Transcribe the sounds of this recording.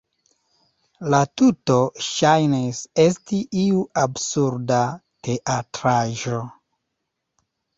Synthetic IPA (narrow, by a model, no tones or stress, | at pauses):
latuto̞ʃajnise̞stiʔiuabsuɾdate̞ʔatɾaʒo̞